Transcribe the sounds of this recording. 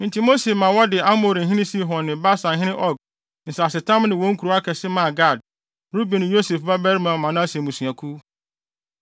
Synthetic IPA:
ɪ̃˨tʰi˨mo˦se˨mã˨wɔ˦dɪ˨a˦mo˨ɾ̩˨ɦĩ˦nɪ̃˦si˦ɦɔ̃˨nːɪ̃˨ba˦sã˨ŋ̩˨ɦɪ̃˦nɪ̃˦ʔɔ˦˨ɡ̚ | n̩˨sa˨sɪ˨tʰã˦mnɪ̃˨wɔ̃˦ŋ̩˦kʰu˨ɾu˨˦a˦kʰɛ˨sɪ˦mã˨ɡa˦˨d̚ | ɾu˦bi˨nɪ̃˨jo˦se˨fba˦bɛ˦ɾmã˨mã˨nʊ̃˦a˦se˨mũ˨sũ˨a˨kʰu˦

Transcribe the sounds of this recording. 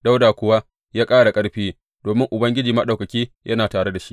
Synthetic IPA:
da˦wdaː˨kʷʊ˨wa˦ | jaː˦kʼaː˦ɽa˨kʼɐ˦ɽɸeː˦ | d̥oː˨mɪ˦ŋʔʊ˨bɐ˦ŋɡʲɪ˦d͡ʒiː˨mɐ˦ɗa˨wkɐ˨kʲiː˦jʔɐ˦naː˨taː˨ɽe˦da˨ʃi̥˦ʔ

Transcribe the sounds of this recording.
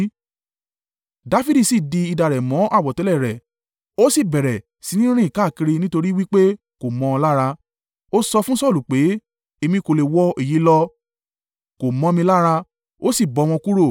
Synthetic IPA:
da˧˦fi˧˦di˦˨si˦˨di˧i˧da˨ɾɛ˨mɔ̃˨˦ʔa˦˨wɔ˨tɛ˨˦lɛ˦˨ɾɛ˨ | o˦si˦˨bɛ˨ɾɛ˨ | si˨˧nĩ˦ɾ̃ĩ˦˨ka˦˨ki˧ɾi˧nĩ˦to˧ɾi˦wi˦k͡pe˦ | ko˨mɔ̃˧˦˧la˦ɾa˧ | o˦sɔ˧fũ˦sɔ˦˨lu˨k͡pe˨˦ | e˧mĩ˧ko˨le˨wɔ˧e˦˨ji˨˦lɔ˧ | ko˨mɔ̃˧mĩ˧la˦ɾa˧ | o˦si˦˨bɔ˨˧˦w̃ɔ̃˧ku˦ɾo˦˨

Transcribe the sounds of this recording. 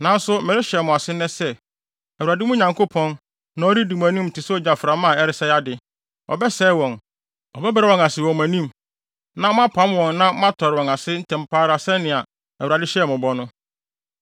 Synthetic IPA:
nã˨˦n̩˦sʊ˦mɛ˨ɾɪ˦ɕɛ˨mʊ̃˨a˨sɪ˦nɛ̃˦sɛ˦ | ɛ˨u˨a˨dɪ˦mʊ̃˦ɲã˨ŋkʰo˦pʰɔ̃˦n | nã˨˦ɔ˦ɾi˦di˨m̃˨æ̃˨nĩ˦m̩˨tʰɪ˨sɔ˦d͡ʑa˨fɾã˨mã˦˨ɛ˦ɾɪ˨sɛ˦ja˦dɪ˨ | ɔ̰˨bɛ˦sɛː˦wɔ̃˨n | ɔ˨bɛ˦bɛ˦ɾɛ˦wɔ̃˨ŋa˨sɪ˨wɔ̃˨mæ̃˨nĩ˦˨m | nã˦m˦ã˦pʰã˦m˦wɔ̃˨nnã˦m˦a˦tʰɔ˨ɾɪ˨wɔ̃˨ŋa˨sɪ˦n̩˦tʰɛ̃˨m˨pʰaː˦ɾa˨sɛ˦nɪ̃˨a˨ | ɛ˨u˨ɾa˨dɪ˦ɕɛ˦˨mʊ̃˨bɔ˦nʊ̃˦

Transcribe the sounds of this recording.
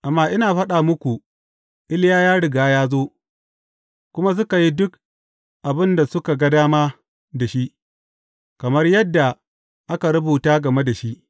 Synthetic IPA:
ʔa˨mːaː˦ʔɪ˦naː˨ɸɐ˦ɗaː˨mʊ˦kʷu˨ | ʔɪ˦ljaː˦jaː˦ɽɪ˨ɡaː˦jaː˦zoː˦ | kʷʊ˦ma˦s̬ʊ˦ka˨ji˦dʊ˦k̚ | ʔa˨bɪ˦nda˨sʊ˦ka˨ɡɐ˦daː˦maː˦ | da˨ʃi˦ʔ | kɐ˨mɐ˦rjɐ˦dːa˨ | ʔa˦ka˨ɽɐ˦buː˨taː˦ɡɐ˨me˦da˨ʃi˦ʔ

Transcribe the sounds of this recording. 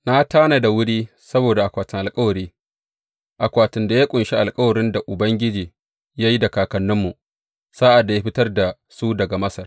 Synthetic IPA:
na˦taː˦na˨da˨wʊ˦ɽiː˦ | sɐ˦boː˨da˨ʔa˨kʷaː˨tɪ˨ŋʔa˨kʼɐ˦wɐ˨ɾiː˦ | ʔa˨kʷaː˨tɪ˨nda˨jaː˦kʷʼʊ˨nʃi˦ʔa˨lkʼɐ˦wɐ˨ɾɪ˦nda˨ʔʊ˨bɐ˦ŋɡʲɪ˦d͡ʒiː˨ | jaː˦ji˦da˨kaː˨kɐ˨nːʊ˦mːu˨ | saː˦ʔa˨dːa˨ja˦ɸɪ˦tɐ˦rda˨ | su˦dɐ˨ɡa˨mɐ˦sɐ˨r

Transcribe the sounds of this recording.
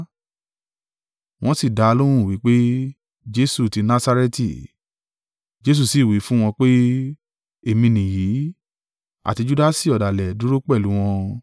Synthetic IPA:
w̃ɔ̃˦si˦˨da˧lo˦ɾ̃ũ˦˨wi˨˦k͡pe˦ | d͡ʒe˦su˦˨ti˧nã˦sa˧ɾe˦ti˨ | d͡ʒe˦s̬u˦˨si˨wi˨˦fũ˦w̃ɔ̃˧k͡pe˦ | e˨mĩ˧nĩ˨jiː˨˦ | a̰˨ti˧d͡ʒu˦da˦si˦˨ɔ˨da˨lɛ˨du˨˦ɾo˦k͡pɛ˦˨lu˨˦w̃ɔ̃˧

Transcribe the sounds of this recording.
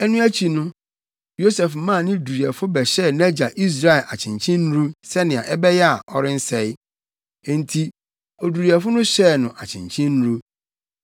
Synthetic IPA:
ɛ˦nũ˦æ˦t͡ɕʰi˨nʊ̃˦ | jo˦sɛ˨fm˦mã˦˨nɪ̃˦du˨ɾi˨ɛ˨fʊ˦bɛ˨ɕɛ˦˨n˦æ˦d͡ʑa˨ʔi˦s̬ɾa˦ɛ˨ʔa˨t͡ɕʰɪ̃˨ɲt͡ɕʰĩ˦n˦ɾu˦sɛ˦nɪ̃˨a˨ʔɛ˦bɛ˦jɛ˦a˨ʔɔ˨ɾɪ̃˦n̩˦sɛ˨ɪ̃˦˨ | n̩˨tʰi˨ | ɔ˨du˨ɾi˨ɛ˨fʊ˦nʊ̃˦ɕɛ˦˨nʊ̃˨ʔa˨t͡ɕʰɪ̰̃˨ɲt͡ɕʰĩ˦n˦ɾu˦

